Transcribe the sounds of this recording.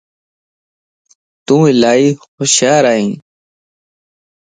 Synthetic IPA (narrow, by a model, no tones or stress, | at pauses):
t̪ũːɪlaːiːxoɕjaːɾaːĩː